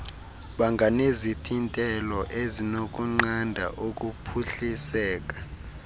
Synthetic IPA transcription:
ɓaŋɡʱanezitʰintʼɛlɔʔezinok̬ʼuŋ͡ǃandʱa̰ʔok̬ʼupʰuɬisɛːk̬ʼḁ

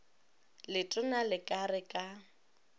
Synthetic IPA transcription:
lɪtʼʊnalɪkʼarɪkʼa

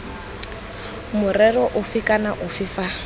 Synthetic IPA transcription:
mʊrɛrɔʔʊfikʼanaʔʊfɪfa

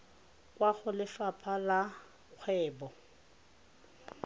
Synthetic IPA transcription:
kʼwaɣʊlɪfapʰala | q͡χʰwɛːbɔ

